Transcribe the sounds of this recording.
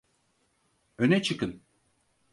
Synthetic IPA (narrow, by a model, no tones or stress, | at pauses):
ønɛt͡ʃʰɯkɯn